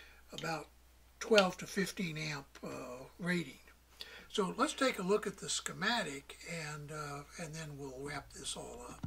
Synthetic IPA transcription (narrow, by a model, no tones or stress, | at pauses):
əbaʊtʰ | w̥ɛlˠv̥tʰɨfɪftĩnæ̃mpʌɹeɪɾɪ̃ŋ | soʊlətstʰeɪkəlʊkɨt̪̚ðɨskɨmæɾɪkɨ̃nɨ̃nðɨ̃nwilˠɹæp̚ðɪsɔlˠʌp̚